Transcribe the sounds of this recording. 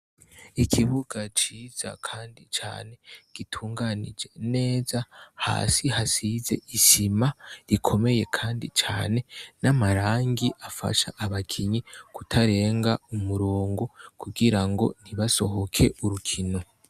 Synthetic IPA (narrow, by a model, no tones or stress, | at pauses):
ikʰiβuɡat͡ʃiːz̥a̰kʰaːndit͡ʃa̰ːne̞ɡ̥itʰuːŋɡanḭd͡ʒe̞ne̞ːzaha̰ːsiɦasize̞̰isimaɾikʰo̞me̞je̞kʰaːndit͡ʃaːne̞namaɾaːŋɡiʔafa̰ʃaʔːβakʰiɲikutʰaɾe̞ːŋɡaumuɾoːŋɡo̞kuɡiɾaŋɡo̞̰n̥hiβaso̞ɦo̞kʰe̞ʔuɾukʰino̞